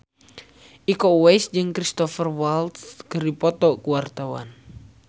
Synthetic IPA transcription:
ʔikɔwɛjsd͡ʒɨŋkɾist̪ɔfərwalt̪skəripɔt̪ɔkuart̪awa̰n

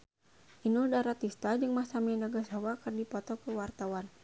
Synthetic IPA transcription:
ʔinuldaɾat̪ist̪ad͡ʒɨŋmasamɛnaɡasawakərdipɔt̪ɔkəwart̪awan

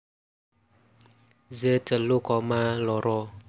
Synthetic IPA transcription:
zetəlʊkɔmalɔɾɔ

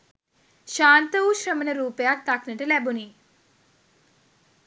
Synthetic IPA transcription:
ʃaːnt̪ɐuʃɾɐmɐnɐɾuːpjaːk̚t̪ɐknɐʈɐlɛbuni

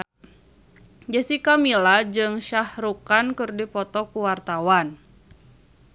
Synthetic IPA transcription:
d͡ʒəsikamilad͡ʒɨŋʃahɾukankɨrdipɔt̪ɔkuwart̪awan

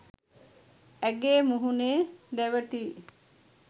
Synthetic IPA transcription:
æɡeːmuɦuneːd̪æʋəʈiː

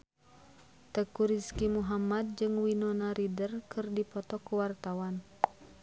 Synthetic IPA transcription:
t̪əkuɾiskimuɦamad̪̚d͡ʒɨŋwinɔnaɾidərkʰɨrdipɔt̪ɔkuwart̪awan

